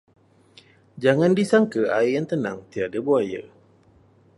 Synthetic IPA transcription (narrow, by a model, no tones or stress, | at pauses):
d͡ʒaŋandisaŋkəaijaŋt̪əna̰ŋt̪iadabuajə̰